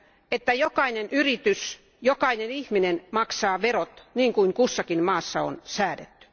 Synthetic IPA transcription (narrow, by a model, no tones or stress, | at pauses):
et̪ːæjokɑinenʔyrit̪ys | jokɑinenihminenmɑksɑːʋerot̪niːŋkuiŋkusːɑkinmɑːsːɑo̰nsæːdet̪ːy̥